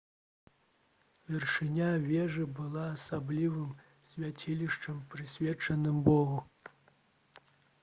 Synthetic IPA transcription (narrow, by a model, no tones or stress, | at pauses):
vʲɛrʂɨnʲavʲɛʐɨbɨlˠaːsablʲivɨm | sʲvʲat͡sʲilʲiʂt͡ʂɐmpɾɨsʲvʲɛt͡ʂɐnɨmbɔɣu